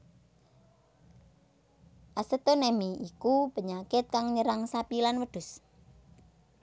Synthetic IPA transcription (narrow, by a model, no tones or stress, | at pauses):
ʔasət̪onɛmiikub̥ə̤ɲakɪt̪̚kaŋɲəɾaŋsapilanwəɖ̪̥ʊ̤s